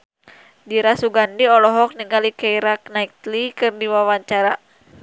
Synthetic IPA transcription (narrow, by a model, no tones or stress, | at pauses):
diɾasuɡandiɔlɔɦɔk̚niŋalikaiɾak̚naik̚t̪likɨrdiwawaɲt͡ʃaɾa